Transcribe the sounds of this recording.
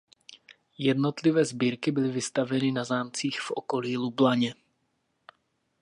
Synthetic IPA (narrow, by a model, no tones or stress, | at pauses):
jɛdno̞t̪lɪvɛːzbiːɾkɪbɪlɪvɪst̪avɛnɪnazaːmt͡siːxfʔo̞̰ko̞liːlublaɲɛ